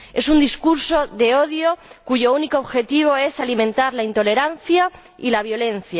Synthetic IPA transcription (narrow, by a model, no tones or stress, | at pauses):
e̞sund̪iskuɾso̞ðe̞o̞ðjo̞kuʝo̞unikoːβxe̞t̪iβ̞o̞e̞salimẽnt̪aɾlaint̪o̞le̞ɾan̟θja | ilaβ̞jo̞lẽ̞n̟θja